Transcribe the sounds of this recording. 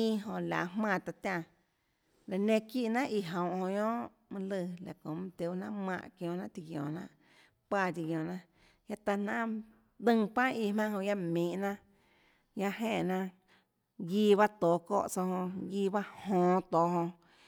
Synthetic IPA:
ĩ˦˧ɦõ˧la̰˨mmã˧˨t̪a˧t̪ʲã˧ | ɾa˨nẽ˧ki˦ʔnã˦ʔi˧˨ɦõ˨w̃ʔhõ˧ɲõː˦ʔ | mɨ̃˧lɨ˧˨la̰˨kõ˨mɨ̃˧t̪e˧˦˧nã˦ʔmã̰˧˨ʔkjõː˧˨nã˦ʔt̪i˧ɡjõ̰ː˨nã̰˦ʔ | pa˧t̪i˧ɡjõː˨nã˦ | ja˦t̪a˧nã˦ | d̪ɨ̃˦˧ŋpã˦i˧mã˦ɦõ˧ja˦mĩː˨ʔnã˦ʔ | ja˦ʔɦẽ˧˨ʔnã˧ | ɡiː˦˧βa˦t̪oː˨ko̰ː˧˨ʔt͡so˧hõ˧ɡiː˧ba˦hõː˧˨t̪oː˨ɦõ˧

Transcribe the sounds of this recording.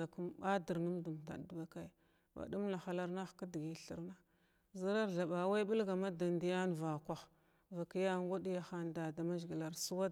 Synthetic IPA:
a˨ku˦mba˦də˨ɾnu˦mdu˨m˨ta̰˨du˨ba˦ka˦j | ba̰˨du˦mna˨xa˦la˦ɾna˦xka˦di˨ɡi˨ɬə˨ɾna˦ | za˦ɾa˦ɾɮa˨ba˨wa˦i˦bu˦lɡa˨ma˦da˨ndi˦ja˦n˨va˨kʷa˨x | va˨ki˦ja˦ŋɡa˦di˦ja˦xa˦˨nda˨da˨ma˦zɡi˨la˨ɾsu˦wa˦

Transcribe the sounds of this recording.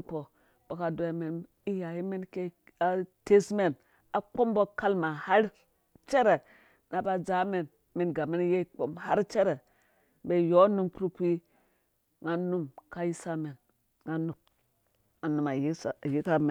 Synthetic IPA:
k͡po˨ | b̥o˨ka˨do˦je˦me˨n | i˦ja˨ji˦me˦nke˦ | a˦te˦sme˦n | a˨k͡po˦mbo˦ka˦lma˨ha˦ɾ | t͡ʃe˦ɾe˨ | na˨ba˦d͡ʒa˦me˨n | me˨nɡa˨me˦n˦je˦k͡po˨mha̰˦ɾt͡ʃe˦ɾe˨ | be˦jo˦nu˦mku˦ɾu˦kʷi˦ | ŋa˦nu˦mka˦ji˦sa˦me˨n | ŋa˦nu˨p̚ | a˨nu˨ma˨˦˨ji˦ka˦me˨

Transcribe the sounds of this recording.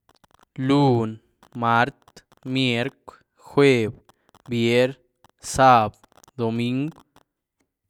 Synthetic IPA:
lu˦˨n | ma˦ɾt̪ | mje˧˦ɾkʷ | xwe˦˧˨b | bje˦ɾ | sa˦˨b | d̪o˨mi˦ŋɡ

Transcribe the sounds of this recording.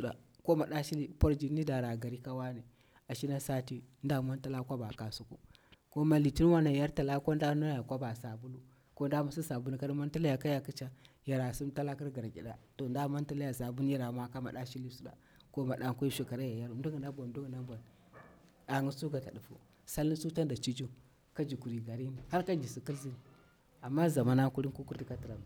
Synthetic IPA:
su˦˨ɗa̰˨ko˦ma˨ɗa˦ʃi˦li˦po˦ɾd͡ʒi˨˦ni˦da˨ɾa˨ɡa˨ɾi˦ka˦wa˦ne˨ | a˨ʃi˦na˦sa˦ti˦nda˦˨ma˦n˦ta˦la˦kʷa˦ba˨ka˨su˦kṵ˦ | ko˦ma˨li˨ti˦n˦wa˦na˨ja˦ɾta˨la˦ko˦nda˦na˦ja˨kʷa˦ba˨sa˨bu˦lu˦ | ko˦n˦da˦ma˨si˦sa˨bu˦n˨ka˦ɾi˦ma˦n˦ta˦la˦ja˨ka˦ja˨ki˦t͡ʃa˦ja˨ɾa˨su˦mta˦la˦ki˦ɾɡa˨ɾɡʲḭ˨ɗa˨to˨nda˦ma˦nta˦la˦ja˨sa˨bu˦n˦ja˦ɾa˨ma˦ka˦ma˨ɗa˦ʃi˦li˦su˦da̰˨ | ko˦ma˨ɗa˦ŋkʷu˦i˦ʃu˨˦ka˨ɾa˦ja˨ja˦ɾndu˦ɡi˨na˦bʷa˨˦du˦ɡi˨na˦bʷa˨n | a˨ŋu˦su˦ɡa˨ta˨du˨fṵ˦ | sa˦li˦su˦ta˦n˦da˨t͡ʃi˦d͡ʒu˦ | ka˦d͡ʒi˨ku˨ɾi˨ɡa˨ɾi˦ni˨ha˦ɾka˦d͡ʒi˨si˦ki˦lzi˦n˨ | a˨mːa˦za˨ma˦na˦ku˦ɾi˦nku˦ku˦ɾdi˨ka˦ti˨ɾa˨m˨

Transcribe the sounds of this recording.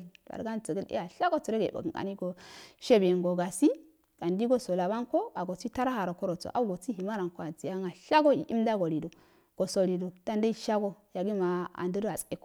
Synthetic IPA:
a̰˨ɾɡa˦nt͡sə˨ɡə˦lḛ˦a˨ɬa˦ɡo˦t͡su˨ɾe˦ɡe˨bo̰˨ɡɡa̰˨ni˦ɡo˨ʃe˦be˨ŋɡo˨ɡa˨si˦ | ɡ̥a˨ndi˦ɡo˦so˨la˨ba˦nko˦a˨ɡo˨t͡si˦ta˦ɾa˦ha˨ɾo˨ko˦ɾo˨t͡so̰˨ʔa̰˦u˦ɡo˨t͡si˦hi˨ma˦ɾa˨ŋko˦a˨d͡zi˨ja˦ŋa˨ɬa˦ɡo˦ḭ˨ʔḭ˦mda˦ɡo˨li˨do˨ | ɡ̥o˨so˨li˨do˨d̥a˦nda˦i˦˨ʃa˦ɡo˦ja˨ɡi˦ma˨a̰˨ndu˦da˨t͡se˦ko˦

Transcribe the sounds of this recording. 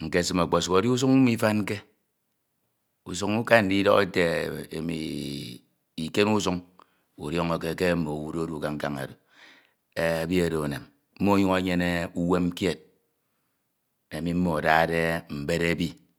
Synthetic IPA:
ŋ̩˨ke˦˨sɨ˦ma˨k͡po˨su˨o˨di˦u˦s̬u˦ŋu˦mi˦fa˦n˦ke˦ | u˨s̬u˦ŋu˦ka˦n̩˨di˦dɔ̰˦ke˦te˨ḛ˨mḭ˨ | i˨ke˦nu˦su˦ŋ | u˨ɾjɔ˦ŋo˦ke˦ke˦mo˨wu˦do˦o˦du˦˨ka˦ŋ̩˦ka˦ŋa̰˨do˨ | e˦a˨bi˦e˨ɾo˨na˨m | m̩˦mo˦ɲu˦ŋa˦ɲe˦ne˦u˦we˦m˦kje˦˨t̚ | e˨mi˦m̩˦mo˨a˨da˦˨de˦m̩˨be˦ɾe˦bi˦

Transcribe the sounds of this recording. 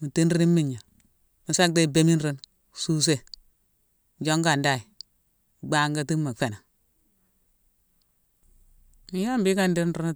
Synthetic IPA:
mi˨ti˦n˦ɾi˦ni˦mːi˨ɲa˨ | mi˨sa˦k̚de˦i˦˨be˦mi˦nɾi˦n˨ | su˦s̬e˦˨ | d͡ʒo˦ŋɡa˨nda˦˨i˨ | u˨ɡ͡ba˦ŋɡa˦ti˦mːa˨fe˨na˨ | mi˨˦ja˦mbi˦ka˦ndi˦nɾu˦n˦

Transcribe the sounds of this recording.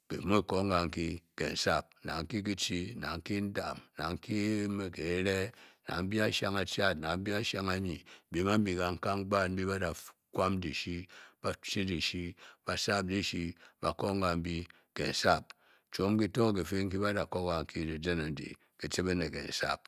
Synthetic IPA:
kḛ˨m˦o˦˨ko˦ŋ˦ɡa˨ŋ̩˦ki˦kḛ˨n̩˨sa˦p̚na̰˨ŋ̩˦ki˦k̬i˦t͡ʃi˦na̰˨ŋ̩˦ki˦n̩˦da˨mna˨ŋ̩˦ki˦me˨ke˨˦ɾe˦na̰˨m̩˦bi˦a˦ʃa˦ŋa˨t͡ʃa˦˨t̚na˨m̩˦bi˦a˦ʃa˦ŋa˦ɲi˨bi˨˦ma˦m̩˦bi˨ka˨ŋ̩˦ka˦ŋ˦ɡ͡ba˦m̩˦bi˦ba˦da˨ | kʷa˦m˦di˨ʃi˦ba˦t͡ʃi˦di˨ʃi˦b̥a˨sa˦p̚di˦ʃi˦ba˨ko˦ŋ̩˦ɡa˨m̩˦bi˦ | kḛ˨n̩˨sa˦˨p̚ | t͡ʃo˦m˦ki˦to˦˨ke˨fe˦ŋ̩˦ki˦ba˦da˨ko˦ɡa˨ŋ̩˦ki˦di˨de˦na˨˦dḭ˨ | ki˨t͡ʃi˦be˦ne˨kḛ˨n̩˨sa̰˦p̚

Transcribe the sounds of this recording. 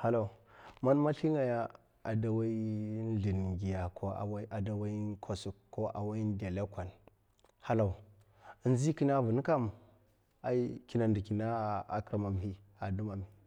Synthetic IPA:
ha˨lo˦˨ma˦nma˦ɬi˦ŋɡa˨ja˦ | a˨da˨wa˦i˦ɮi˨nɡi˨ja˨kʰo˦a̰˨wa˦ʔa˨da˨wa˦i˦kʰo˨su˨kkːo˦ʔa̰˨wa˦i˦n˦de˨le˦kʷa˨n | ha˦la˨u˨˦ | n˦zi˦ki˦na˦vu˨n˦ka˦m | a˨i˦ki˦na˨ndi˨ki˨na˦˨a̰˨kɾa˨ma˨mɦi˦ | a˨du˦ma˨mi˨

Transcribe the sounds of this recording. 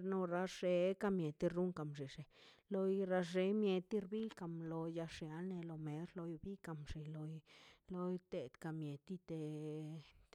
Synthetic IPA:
ɾno˧ɾa˧ʒ̥e˧˦ka˧mje˨t̪i˧ɾu˦ŋka˨mʐi˨ʂe˨lo˧jɾa˧ʐe˧˦mje˧t̪i˦ɾbi˦ka˧mlo˧ja˧ʂja˨˧˦lne˧lo˧me˨ɾlo˧jbi˦ka˨mʂe˨lo˧jlo˧jt̪e˧d̪ka˧mje˨t̪i˧t̪e˧ | t̪

